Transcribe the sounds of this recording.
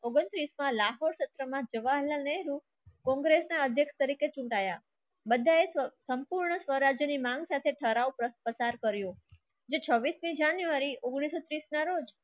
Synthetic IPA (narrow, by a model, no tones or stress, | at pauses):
oɡənt̪ɾismãlaɦoɽʃət̪ɾəmãd͡ʒəʋaɦɛlanɛɦɾu | kɔ̃ŋɡɾesnaəd̪ʱjəkʃt̪əɾiket͡ʃũɳʈaja | bəd̪ʱaesəmpuɾɳəsʋəɾad͡ʒjənimãŋɡsat̪ʰeʈʰəɾaʋəpəsaɾkəɾjo | d͡ʒet͡ʃʰəʋːismĩd͡ʒanjuʋaɾiʔoɡɽ̃isot̪ɾisnaɾod͡ʒ